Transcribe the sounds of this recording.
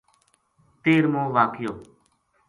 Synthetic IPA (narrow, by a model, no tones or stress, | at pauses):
t̪eːɾmõːʋaːkjoː